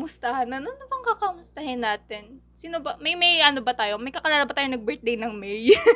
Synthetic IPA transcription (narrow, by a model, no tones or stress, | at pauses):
mʊst̪ɐhɐnːɐnonːɐbɐŋkɐkɐmʊst̪ɐhɪnːaːt̪ɛn | siːnobɐmɐjmɐjʔɐno̞bɐt̪aːjo̞mɐjkɐkɐlaːlabɐt̪aːjonɐɡ̚bɛɹt̪̚d̪ejnɐŋmɛj